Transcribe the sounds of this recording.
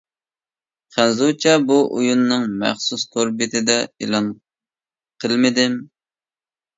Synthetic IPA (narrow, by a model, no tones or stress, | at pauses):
χænzut͡ʃʰɛbuʔujunːɨŋmæ̰χsust̪ʰoɾbɪt̪ʰɪd̪ɛḭlˠɑn | qʰəlˠmɪd̪ɪm